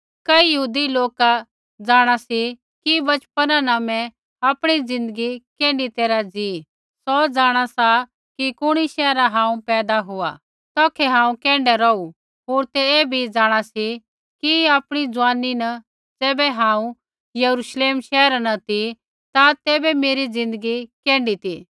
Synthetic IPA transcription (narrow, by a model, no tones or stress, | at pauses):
kɐijɐɦuːd̪iloːka | d͡zaːɽ̃asi | kibɐt͡ʃpənanaːmɛ̃ | aːpɽ̃id͡zɪ̃nd̪əɡikɛ̃ːɳɖit̪eːɾad͡zi | sɔd͡zaːɽ̃asa | kikʊɽ̃iʃɛːɾaɦãːũpɛːd̪aɦʊa̰ | t̪ɔːkʰɛɦãːũkɛ̃ːɳɖɛɾɔu | ɦoːɾt̪ɛeːbʱid͡zaːɽ̃asi | kiaːpɽ̃id͡zʊaːninɐ | d͡zɛːbɛɦãːũ | jɐɾuʃleːmʃɛːɾanɐt̪i | t̪at̪ɛːbɛmeːɾid͡zɪ̃nd̪əɡikɛ̃ːɳɖit̪i